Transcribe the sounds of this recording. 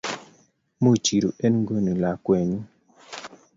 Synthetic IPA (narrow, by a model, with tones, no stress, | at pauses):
mu˦˨t͡ʃi˨ɾu˨ʔe˦nŋɡo˦ni˨la˨kwe˨ɲu˦